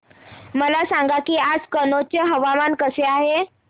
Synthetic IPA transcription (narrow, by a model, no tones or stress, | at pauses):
məlasaŋɡakiːad͡zkənot͡ɕjəɦəʋamankəseaɦe